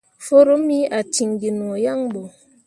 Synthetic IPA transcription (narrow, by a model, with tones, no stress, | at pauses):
fo˦ɾo˦mi˦ʔa˨ti˨ŋɡi˨n˨o˨ja˦ŋbo˨